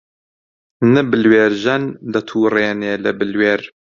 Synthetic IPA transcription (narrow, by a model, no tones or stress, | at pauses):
nɨbɨlweːɾʒɐnd̪ɐt̪ʰuːreːneːlɨbɨlweːɾ